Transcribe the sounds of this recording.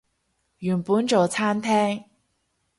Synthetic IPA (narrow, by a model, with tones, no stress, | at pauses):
jy˨˩npu˨˥nʈ͡ʂo˨˩wt͡sʰa˥nt̪ʰɛ˥ŋ